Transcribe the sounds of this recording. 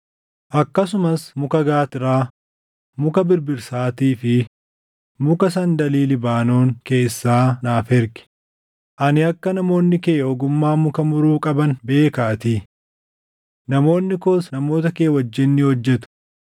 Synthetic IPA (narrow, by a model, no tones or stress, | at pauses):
ʔɐkːɐsʊmɐsmʊkɐɡaːt̪ɪɾaː | mʊkɐbɪɾbɪɾsaːt̪iːfɪ | mʊkɐsɐnd̪ɐliːlɪbaːnoːŋke̞ːsːaːnaːfɛɾɡɪ̥ | ʔɐnɪɐkːɐnɐmo̞ːnːɪke̞ːɔɡʊmːaːmʊkɐmʊɾuːkʼɐbɐnbe̞ːkaʔɐt̪iː | nɐmo̞ːnːɪkoːsnɐmo̞ːt̪ɐkeːwɐd͡ʒːɪnːɪhɔd͡ʒːɛt̪ʊ̥